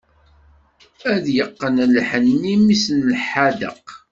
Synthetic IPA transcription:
æðjəqːənlħənːimisnlħad̪ə̰q

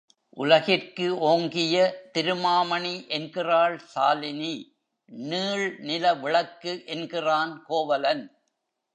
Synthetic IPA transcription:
ʔʊ̰lɐɣɪrkɯʔoːŋɡɪjɐt̪ɪɾɯmaːmɐɳiʔɛnɡɪraːɭsaːlɪni | niːɭnɪlɐʋɪɭɐkːɯʔɛnɡɪraːnkoːʋɐlɐn

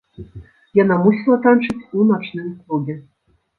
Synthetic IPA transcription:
jɑnɑmusʲlˠɑ̆t̪ɑnʂɘ̆tʲunɑʃnɘ̆nkluɡʲɘ̆

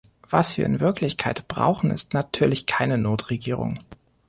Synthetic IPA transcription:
v̥asv̥iːɐʔɪ̰nvɪɐklɪçkʰaɪtb̥ʁa̰ʊxn̩ɪ̰stnatʰyːɐlɪçkʰaɪnənoːtʁ̥eɡiːʁ̞ʊ̰ŋ

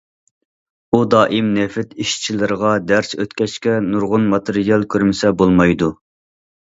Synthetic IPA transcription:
ud̪ɑːʔimnefɪt̪iʃt͡ʃʰilɪɾəʁɑd̪æɾsø̰t̪kʲɛt͡ʃkʲɛnuɾʁʊnmɑt̪ʰeɾijɑlˠkʲʰøɾmɪsɛbolˠmɑjd̪u

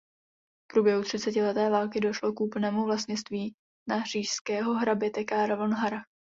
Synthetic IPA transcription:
fpɾuːbjɛɦut̪r̝̥ɪt͡sɛcɪlɛt̪ɛːvaːlkɪdo̞ʃlo̞kʔuːpl̩nɛːmuvlast̪ɲɪt͡st̪viː | nar̝̥iːʃskɛːɦo̞ɦɾabɪt̪ɛkaɾavonɦaɾa

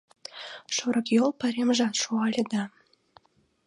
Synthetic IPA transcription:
ʃuɾɤ̆kjolˠpəɾʲemʒɑt̪ʃuɑlʲed̪ɑ

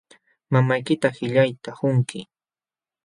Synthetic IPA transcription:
mamajkɪt̪ahɪʎajt̪ahʊŋkɪ

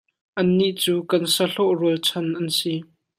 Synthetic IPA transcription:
ʔɐnːiʔt͡suːkɐnsɐɬɔʔruəlt͡sʰɔnʔɐnsi

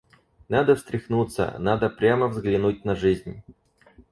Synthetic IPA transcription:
nad̪əfst̪ɾʲɪxnut̪sə̰nad̪əpɾʲaməvzɡlʲɪnut̚ʲnɐʐɨzʲnʲ

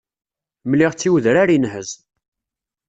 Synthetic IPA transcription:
mliʁt͡sːiwðɾaɾinɦəz

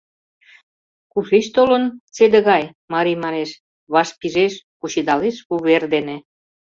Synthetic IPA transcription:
kuʃeʃt̪olə̆nt͡sed̪ə̆ɣɑj | mɑɾimɑɾeʃ | βɑʃpiʒeʃkuɕid̪ɑleʃuβerd̪enĕ

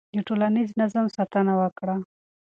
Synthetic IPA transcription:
d̪əʈolaniznazamsat̪anawəkɽa

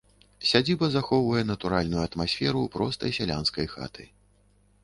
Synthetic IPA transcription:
sʲad͡zʲibɐzaxɔwvɐjɛnɐt̪uɾalʲnujuɐt̪masʲfʲɛɾupɾɔst̪ɐ̰jsʲalʲanskɐjxa̰t̪ʰɨ̰

